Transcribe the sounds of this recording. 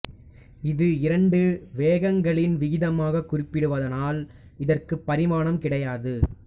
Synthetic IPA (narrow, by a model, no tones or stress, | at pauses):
ɪðɯɪɾɐɳɖɯʋeːɣɐŋɡɐɭɪnʋɪɣɪðɐmaːɣɐkʊɾɪpːɪɽɯʋɐðɐnaːl | ɪðɐrkɯpːɐɾɪmaːɳɐmkɪɽɐjaːðɯ